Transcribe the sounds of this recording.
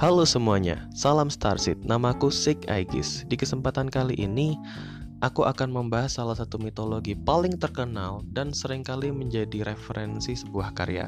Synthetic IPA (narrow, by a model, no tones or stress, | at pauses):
halosəmuaɲa̰salamst̪a̰rsɪt̪̚namakusɪka̰jɡɪ̰sdikəsəmpat̪ankaliʔini | ʔakuʔakanməmbaɦasːalasat̪umit̪oloɡipalɪŋt̪ərkənaldansəɾɪŋkaliməɲd͡ʒadiɾefəɾʔɛnsisəbuahka̰ɾḛja̰